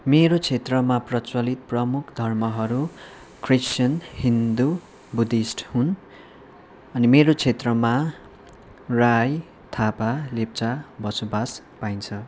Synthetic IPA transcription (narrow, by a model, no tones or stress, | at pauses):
meɾot͡sʰet̪rʌmaprʌt͡swʌlit̪̚prʌmukʰd̪ʱʌrmʌɦʌɾu | krist͡ʃjʌnhind̪u | bud̪isʈhun | ʌnimeɾot͡sʰet̪rʌma | raj | t̪ʰapalep̚t͡sabʌsobas | pajnt͡sʰʌ